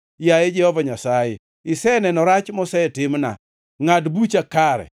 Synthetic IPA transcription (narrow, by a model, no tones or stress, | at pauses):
jajed͡ʒɛhɔvaɲasajɛ | ɪsɛnɛnɔɾat͡ʃmɔsɛtɪmna̰ | ŋadbut͡ʃakaɾɛ̰